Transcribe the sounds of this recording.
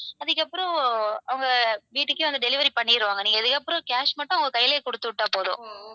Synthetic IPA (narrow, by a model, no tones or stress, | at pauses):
ɐðɯkːɐpːɯɾɔ̃ɐʋɐŋɡɐʋiːʈːɯkːɯʋɐnd̪ɯɖɛlɪʋɐɾipɐɳːɪɪɾɯʋaːŋɡɐniːŋɡɐðɯkːɐpːɯɾɔ̃kaːʂmɐʈːʊ̃ɐŋɡɐkɐjɐlɐjːkɔɽɯt̪ːɯʋɪʈːaːpoːðʊ̰̃